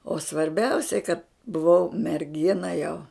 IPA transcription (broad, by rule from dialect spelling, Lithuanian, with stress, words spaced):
oː sʋɐrʲˈbʲɛʊsʲɛɪ kɐt bʊˈʋɐʊ mʲɛrʲˈɡʲɪnɐ jɛʊ